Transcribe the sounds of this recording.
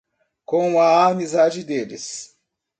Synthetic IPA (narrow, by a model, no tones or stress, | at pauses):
kõɐamizad͡ʒɪd̪elɪ̰s